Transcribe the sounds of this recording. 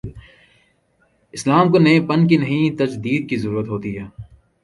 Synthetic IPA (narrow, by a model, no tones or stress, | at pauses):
ɪslaːmkonẽpɐnkinɐɦĩt̪ɐd͡ʒd̪iːd̪̚kizɐɾuːɾət̪ɦoːt̪iɦɛː